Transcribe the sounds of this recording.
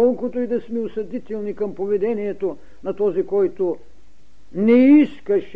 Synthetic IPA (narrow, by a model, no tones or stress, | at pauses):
ɔlˠkʊt̪oid̪ɐsmɛusɐd̪it̪ɛlˠnikɐmpovɛd̪ɛnijɛt̪o | nɐt̪ɔzikɔjt̪o | nɛiskɐʃ